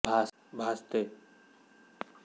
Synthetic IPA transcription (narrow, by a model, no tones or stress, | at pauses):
bʱaː | bʱaːst̪eː